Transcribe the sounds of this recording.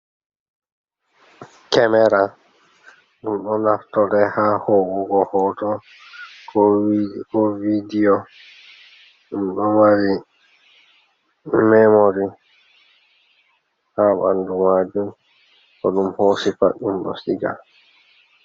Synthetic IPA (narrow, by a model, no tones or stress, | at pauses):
kɛmɛɾa | ɗumɗɔnaftɔdɛhahɔːwɔɡɔhɔtɔ | kɔvidiɔ | ɗumɗɔmaɾi | mɛmoɾi | haːɓandumad͡ʒum | kɔɗumhosipa̰ɗːumɗɔ̰siɡa̰l